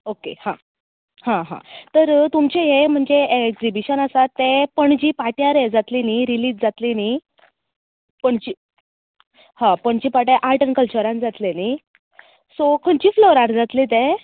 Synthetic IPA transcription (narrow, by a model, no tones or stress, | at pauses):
okḛhã | hãɦã̰t̪əɾt̪umt͡ɕeɦem̤əɳd͡zeekzibiɕənasat̪ːẽpəɳd͡ʑiːpaʈjaɾed͡zat̪liniɾiliːd͡zd͡zat̪lini | pəɳd͡ʑi | hãpəɳd͡ʑiːpaʈjaʔaɾʈənkəlt͡ɕəɾãnd͡zat̪leni | sokʰəɳt͡ɕiːfloɾaɾd͡zat̪lit̪ẽ